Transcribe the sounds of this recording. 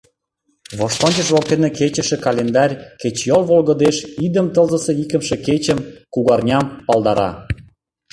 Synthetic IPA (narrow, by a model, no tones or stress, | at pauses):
βoʃt̪onʲt͡ɕəʃβok̚t̪eneket͡ɕə̆ʃĕkɑlʲend̪ɑrʲket͡ɕjolβolɣə̆d̪eʃid̪əmt̪ɤlzə̆seikə̆mʃĕket͡ɕəmkuɣɑrnʲɑmpɑld̪ɑɾɑ̰